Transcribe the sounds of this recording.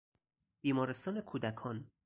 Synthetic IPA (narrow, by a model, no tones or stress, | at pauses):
b̥iːmɒːɾe̞st̪ɒːne̞kʰuːd̪ækʰɒːn